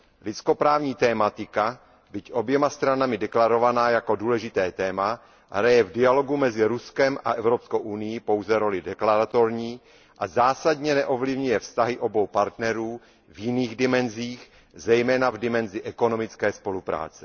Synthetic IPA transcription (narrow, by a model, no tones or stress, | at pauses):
lɪt͡sko̞pɾaːvɲiːt̪ɛːmat̪ɪka | bɪcʔo̞bjɛmast̪ɾanamɪdɛklaɾo̞vanaːjako̞duːlɛʒɪt̪ɛːt̪ɛːma | ɦɾajɛvdɪalo̞ɡumɛzɪɾuskɛmʔa̰ʔɛvɾopskowʔunɪjipo̞wzɛɾo̞lɪdɛklaɾat̪o̞ɾɲiː | ʔazaːsadɲɛnɛʔo̞vlɪvɲujɛfst̪aɦɪʔo̞bo̞wpaɾt̪nɛɾuː | vjɪniːɣdɪmɛnziːx | zɛjmɛːnavdɪmɛnzɪʔɛko̞no̞mɪt͡skɛːspo̞lupɾa̰ːt͡sɛ̥